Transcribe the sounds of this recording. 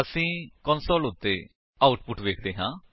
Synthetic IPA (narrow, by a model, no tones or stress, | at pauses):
əsĩːkɔ̃ːnsoːlɦʊt̪ːeː | aːʊʈpʊʈʋeːkʰd̪eːɦãː